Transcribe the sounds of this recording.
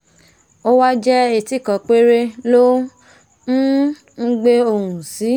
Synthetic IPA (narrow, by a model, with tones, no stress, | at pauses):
o˦wa˦d͡ʒɛ˦e˨ti˨˦˨kɔ̃˨k͡pe˦ɾe˦˧lo˦ | ñ̩˦ | n̩˦ɡ͡be˦o˧˨hũ˨si˨˦